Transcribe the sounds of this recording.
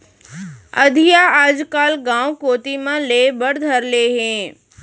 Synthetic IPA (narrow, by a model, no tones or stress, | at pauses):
ɐd̪ʱijaaːd͡ʒkaːlɡãːwkoːt̪imãleːbəɽd̪ʱəɾleːɦẽː